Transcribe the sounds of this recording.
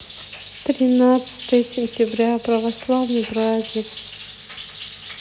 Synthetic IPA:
t̪ɾʲɪnat̪sɨ̥t̪əjəsʲɪnʲtʲɪbɾʲapɾəvɐslˠavnɨjprazʲnʲɪk

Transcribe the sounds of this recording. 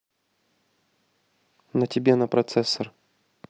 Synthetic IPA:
nətʲɪbʲenəpɾɐt̪sɛsːər

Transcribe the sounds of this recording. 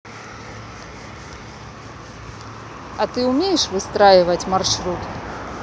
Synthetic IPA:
ɐt̪ɨʊmʲejɛʂvɨst̪ɾajɪvɐtʲmarʂɾut̪

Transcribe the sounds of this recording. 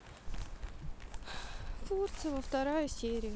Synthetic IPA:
furt̪sɨjəvəft̪ɐɾajəsʲeɾʲɪjə

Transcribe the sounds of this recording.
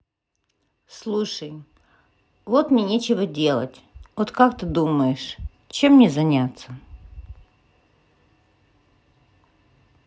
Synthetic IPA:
slˠuʂəj | vot̪mʲenʲet͡ɕɪvədʲe̞lˠə̰tʲot̪kak̚t̪ɨd̪uməjɪʂ | t͡ɕemnʲezɐnʲat̪sə

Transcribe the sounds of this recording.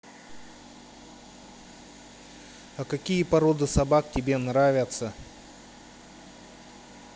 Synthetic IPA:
ɐkɐkʲijəpɐɾod̪ɨsɐbak̚tʲɪbʲenɾavʲət̪sə

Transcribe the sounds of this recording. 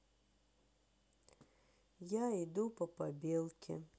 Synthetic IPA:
jæid̪ʊpɔpɐbʲɪlˠkʲʰɪ̰

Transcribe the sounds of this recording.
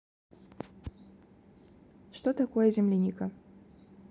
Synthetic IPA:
ʂt̪ɔt̪akɔjɛzʲɛmlʲinʲikɐ

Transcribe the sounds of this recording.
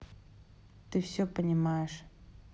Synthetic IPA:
t̪ɨfsʲɵpənʲɪmajɪʂ

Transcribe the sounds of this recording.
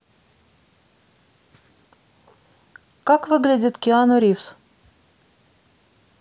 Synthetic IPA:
kakvɨɡlʲɪdʲɪt̪kʲɪanoɾʲifs

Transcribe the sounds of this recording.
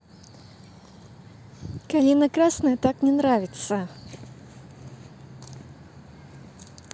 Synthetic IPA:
kalʲinɐkɾasnɐjɐt̪aknʲɛnɾavʲɪt̪sə

